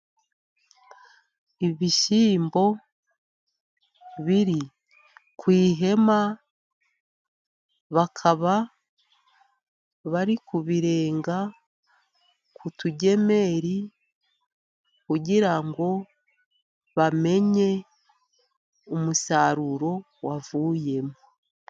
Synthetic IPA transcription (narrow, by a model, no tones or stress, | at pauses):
iβiʃiːmbo̞ | βiɾi | kwiːɦe̞ma | βakʰaβa | βaɾikuβiɾe̞ːŋɡa | kutuɟe̞me̞ɾi | kuɟiɾaŋɡo̞ | βame̞ɲe̞ | umusaɾuɾo̞ | wavuːje̞mo